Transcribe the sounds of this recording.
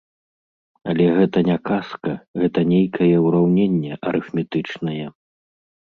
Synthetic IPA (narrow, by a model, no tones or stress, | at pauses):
ɐlʲɛɣɛt̪ɐnʲakaskɐɣɛt̪ɐnʲejkʰɐjɛuɾawnʲenʲːɛʔɐɾɨfmʲɛt̪ɨt͡ʂnɐjɛ